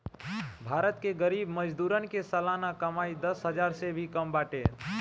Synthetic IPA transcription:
bʱaɾət̪keɡəɾibməd͡ʒd̪uɾənkesəlanakəmaid̪əsɦəd͡ʒaɾsebʱikəmbaʈe

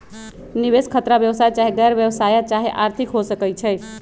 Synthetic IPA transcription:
niβeskʰət̪ɾabjəʋsajt͡ʃaɦeɡəɾbjəbsajət͡ʃaɦeʔaɾt̪ʰikɦosəkɛt͡ʃʰɛj

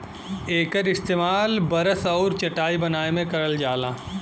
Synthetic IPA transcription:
eːkəɾɪst̪eːmaːlbɐɾəsɔːɾt͡ʃɐʈaːibɐnaːemẽkɐɾəld͡ʒaːlaː

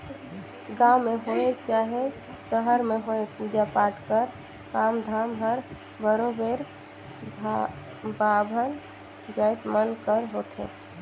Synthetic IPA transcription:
ɡawmeɦoet͡ʃaɦe | səɦəɾmeɦoepud͡ʒapaʈkəɾ | kamd̪ʱamɦəɾ | bəɾobeɾ | b | bʱabʱən | d͡ʒəjt̪mənkəɾɦot̪ʰḛ

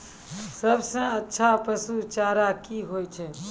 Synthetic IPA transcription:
səbsə̃ətːʃʰapəsut͡ʃaːɾakiɦoːjt͡ʃʰeː

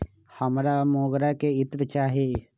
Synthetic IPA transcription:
həmɾamoːɡɾakeɪt̪ɾt͡ʃaːɦe

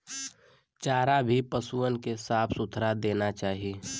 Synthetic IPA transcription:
t͡ʃaːɾabʱipəsuənkesaːpʰsʊt̪ʰɾad̪eːnat͡ʃaːɦieː

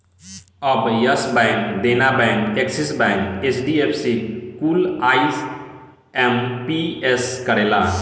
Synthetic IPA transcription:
ɔbjəsbɛ̃ŋkd̪enabɛ̃ŋkʈeksisbɛ̃ŋkesʰɖiepʰsikuːlais | empieskəɾela

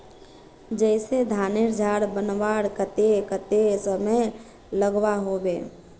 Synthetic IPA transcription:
d͡ʒəɪsed̪ʱaːneɾd͡ʒʱaːɽbənʋaːɽkət̪ekət̪esəməj | ləɡwaɦobeː

